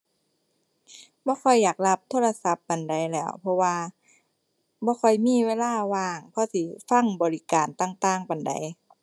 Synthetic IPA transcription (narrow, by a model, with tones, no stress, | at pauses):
bɔː˧˦kʰɔ˧˩jːaː˨˩k̚la˧˥p̚t̪ʰoː˧˥˨la˧sa˧˦˥pːa˨˩nda˨˩jlɛː˧˩˨wpʰɔ˧waː˧ | bɔː˧˦xʰɔ˧˩jmiː˧˥˨weː˧˥˨laː˧˩˨waː˧˩ŋpʰɔ˧˥si˧˦fa˧˥˨ŋbɔː˨li˧kaː˨˩nt̪a˧˩˨ŋt̪aː˧˩ŋpa˨nda̰˨˩j